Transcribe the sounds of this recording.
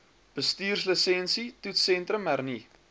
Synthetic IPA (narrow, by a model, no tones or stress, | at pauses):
b̥əstiːrsləsɛnsitutsɛntrəmærni